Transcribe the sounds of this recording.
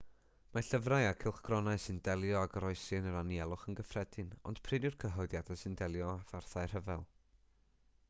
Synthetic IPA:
maɬəvraɨakʰɪlˠχɡ̥rɔnaɨsɨndɛlˠjɔaɡəɾɔɨsɨnəɾaniɛlˠʊχənɡəfrɛdɪnɔ̰nd̥pʰrɪdɪrkʰəɦɔɨdjadasɨndɛlˠjɔafarθaɨr̥əvɛlˠ

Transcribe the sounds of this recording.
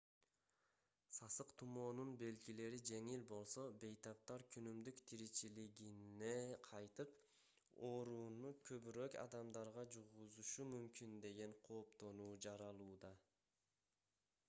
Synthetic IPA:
sɑsɯqt̪ʰumo̞ːnunbe̞lɡile̞ɾid͡ʒe̞ŋilbo̞lˠso̞be̞jt̪ɑp̚t̪ɑɾkʲʰynymd̪ykt̪ʰiɾit͡ʃiliɡine̞qʰɑjt̪ɯp | oɾunukʰøβyɾøkɑ̰d̪ɑmd̪ɑɾʁɑd͡ʒuʁuzuʃumymkynd̪e̞ɡe̞ɴqʰo̞ːpt̪o̞nuːd͡ʒɑɾɑlˠuːd̪ɑ

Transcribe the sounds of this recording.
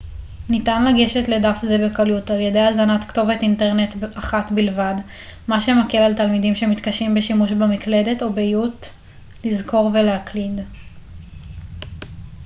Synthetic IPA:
nitanlaɡe̞ʃe̞tledafzebekalutaljedejazanatkto̞vetinteʁnetaχatbilvad | maʃe̞makelaltalmidimʃe̞mitkaʃimbe̞ʃimuʃbemikle̞de̞to̞bejut | lizko̞ʁve̞leaklid

